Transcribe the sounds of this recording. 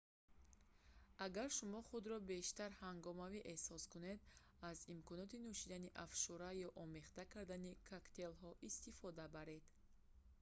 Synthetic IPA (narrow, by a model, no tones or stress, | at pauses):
aɡaɾʃumɔχud̪ɾɔbe̞ʃt̪aɾhaŋɡɔmaviʔe̞hsɔskune̞d̪ | azimkʰɔnɔt̪inuʃid̪aniʔafʃuɾajɔʔɔme̞χt̪akʰaɾd̪anikʰakt̪ʰe̞lɦɔʔist̪ifɔd̪abaɾe̞d̪̥